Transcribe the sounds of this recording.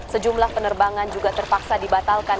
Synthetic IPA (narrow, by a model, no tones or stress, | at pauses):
səd͡ʒumlahpənərbaŋand͡ʒuɡat̪ərpak̚sadibat̪alkan